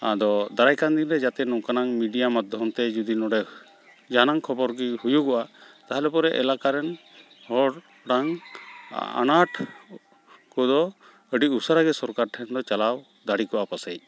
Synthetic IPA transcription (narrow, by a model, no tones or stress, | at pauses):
ad̪ɔd̪aɾajkand̪inɾɛd͡ʒat̪ɛnɔkanaŋmiɖijamad̪ʱjɔmt̪ɛd͡ʒud̪inɔɽɛ | d͡ʒanaŋkʰɔbɔɾɡihujukɔʔat̪aɦalɛpɔɾɛʔɛlakaɾɛn | hɔɽ | ɖaŋ | a̰naʈʰ | kɔd̪ɔ | əɖiusaɾaɡɛsɔɾkaɾʈʰɛnd̪ɔt͡ʃalaw | d̪aɽikɔʔapasaj